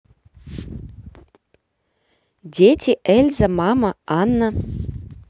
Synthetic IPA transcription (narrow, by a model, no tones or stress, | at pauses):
dʲetʲiʔɘlʲzɘ̆mɑmɤ̆ɑnːɤ̆